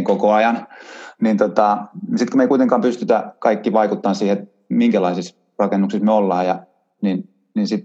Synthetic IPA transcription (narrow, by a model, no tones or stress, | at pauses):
ŋkokoɑjɑnnint̪ot̪ɑsit̪komeikuit̪eŋkɑːmpyst̪yt̪ækɑikːiʋɑikut̪ːɑːnsiːhet̪ | miŋkælɑisis | rɑkenːuksismeolːɑːjɑ | nin | ninsit̪